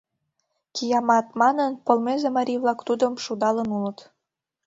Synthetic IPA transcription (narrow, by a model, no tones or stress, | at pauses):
kijɑmɑt̪mɑnənpolmezemɑɾʲiβlɑkt̪ud̪əmʃud̪ɑlənulət̪